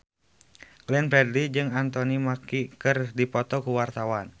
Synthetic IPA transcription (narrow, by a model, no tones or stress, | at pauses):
ɡ̥lɛnpɾɛdlid͡ʒɨŋant̪ɔnimakikɨrdipɔt̪ɔkuwart̪awan